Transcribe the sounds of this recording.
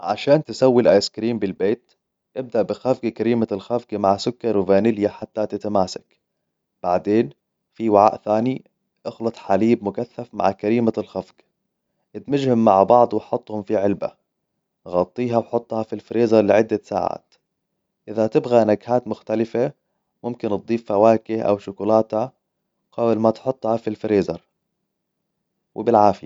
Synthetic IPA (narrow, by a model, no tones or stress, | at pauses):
ʕa̰ʃaːnt̪ɪsawːilʔaːjɪskɾiːmbɪlbeːt̪ | ʔɪb̚d̪aʔbɪxafɡakaɾiːmalxafɡmaʕsʊkːɑɾwɪvaːnɪljaħat̪ːat̪ɪt̪amaːsḁk | b̥aʕd̪eːn | fiwaʕa̰ːʔθaːni | ʔɑxlɑt̪ˤħaliːb̚mʊkaθːafma̰ʕkaɾiːmalxafɡ | ʔɪt̪mɪd͡ʒhɪmːaʕbɑʕd̪ˤwɪħɑt̪ˤːhʊmfiʕɪlba̰ | ɣɑt̪ˤːiːɦawħʊt̪ˤːhɑfilfɾiːzɑɾˤlɪʕɪd̪ːasa̰ːʕa̰ːt̪ | ʔɪðat̪ɪbɣanaɡhaːt̪mʊxt̪alɪfa | mʊmkɪnt̪̚d̪ˤiːfːawaːkɪhʔa̰wʃʊkʊlaːt̪ha | qɑːbɪlmat̪ħʊt̪ˤːhɑfilfɾeːzɑɾˤ | wʔɪ̰bɪlʕaːfɪja